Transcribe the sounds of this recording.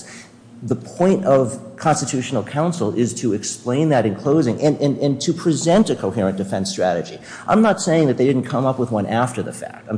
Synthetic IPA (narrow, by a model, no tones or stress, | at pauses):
ðəpʰɔ̃ɪ̃ntʌv̥kʰɑ̃nstɨtʰʉʃn̩l̩ˠkʰãʊ̃nsl̩ˠɪz̥tʰɨɨksplẽɪ̃nðɨɾɨ̃nkʰl̥oʊzɪ̃ŋʔɨ̃nɨ̃nɨ̃ntʰɨpʰɹ̥izɛ̃ntɨkʰoʊhɪɹɨ̃nd̥ɨfɛ̃nstɹ̥æɾɨ̰d͡ʒi | ʔã̰ɪ̃mnətseɪɪ̃ŋðɨt̪̚ðeɪɾɪdⁿn̩kʰʌ̃mʌpwəðwʌ̃nʔæftə˞ðɨ̰fæ̰k̚tãɪ̃